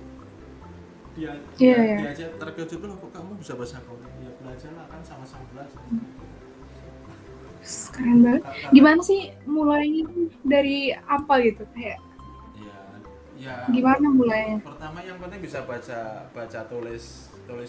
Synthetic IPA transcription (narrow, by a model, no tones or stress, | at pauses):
a | ijajaad͡ʒat̪ərkət͡ʃut̪uapakamabisabat͡ʃakadadiabəlad͡ʒalahkansamasambəlasa | sə̥kaɾaŋbalətɡimanasɪhmulainimadaɾiapaɡit̪ukajaʔ | ija | jaɡimanamulaɲapərt̪amajaŋpənt̪ɪŋbisabat͡ʃab̥at͡ʃat̪olɛs | t̪olɛs